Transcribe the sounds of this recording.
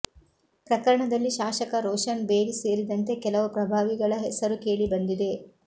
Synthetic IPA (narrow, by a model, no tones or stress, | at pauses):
pɾɐkɐɾɐɳɐd̪ɐlːiʃaːʃɐkɐɾɔːʃɐnbeːɡise̞ːɾid̪ɐnt̪e̞kɛlɐʋupɾɐbʱaːʋiɡɐɭɐɦɛsɐɾuke̞ːɭibɐnd̪id̪e̞